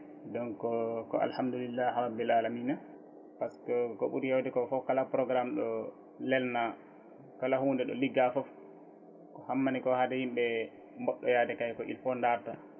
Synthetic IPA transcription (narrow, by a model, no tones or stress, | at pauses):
dɔnkɔkɔ̰a̰lhamdulilːahɾabːilʔalamiːna | paskɔkɔ̰ɓṵɾijawdɛkɔfɔkalapɾɔɡɾamɗɔ | lɛlna | kalahuːndɛɗɔ̰liɡːafɔf | kɔhamːanikɔhadɛhimɓɛ | mɔɗːɔjadɛkajkɔʔḭlfɔndaɾta